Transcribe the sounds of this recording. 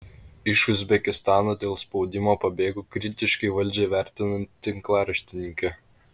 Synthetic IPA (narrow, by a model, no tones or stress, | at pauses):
ɪʃʊzʲbʲɛkʲɪst̪ɑːnoːd̪ʲeːlˠspɒʊd̪ʲɪmoːpɐbʲeːɡukɾʲɪt̪ʲɪʃkɐɪʋɐlʲd͡ʒʲɛɪʋʲæˑɾʲt̪ʲɪnɐnʲt̪ʲɪŋklˠɑːɾɐʃʲt̪ʲɪnʲɪŋʲkʲɛ